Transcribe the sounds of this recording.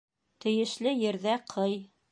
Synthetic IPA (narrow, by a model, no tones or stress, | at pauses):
t̪ɘ̆jɘ̆ʃlɘjɘ̆ɾðæqʰɤj